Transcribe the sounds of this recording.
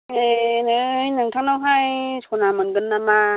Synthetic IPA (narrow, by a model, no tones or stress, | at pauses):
enɯjnaŋtʰaŋnawɦajsʰonamɯnɡɯnːama